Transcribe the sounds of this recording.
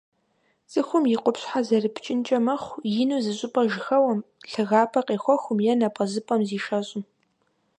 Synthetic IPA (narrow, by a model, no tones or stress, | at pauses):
zʼɨxʷʊmjɪqʷʊpɕħazɐrɨpʰt͡ʃʼɪnt͡ʃʼɐmɐχʷjɪnuːzɨɕʼɪpʼɐʒɪxɐwɐmɬɨɣaːpʰɐqeːxʷɔxʷʊmjɛnɐpʼɐzɨpʼɐmziːʃɐɕʼɪm